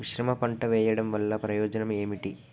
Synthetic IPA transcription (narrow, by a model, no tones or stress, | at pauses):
ʋiʃɾɐmɐpɐɳʈɐʋɛːjɐɽɐmʋɐlːɐpɾɐjɔːd͡ʒɐnɐme̞ːmiʈi